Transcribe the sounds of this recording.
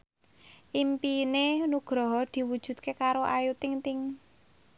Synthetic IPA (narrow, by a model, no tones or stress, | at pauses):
ʔimpinenuɡ̥ɾɔɦɔd̪̥i̤wud̥ʒ̥ṳt̪̚kekaɾoʔajut̪ɪŋt̪ɪŋ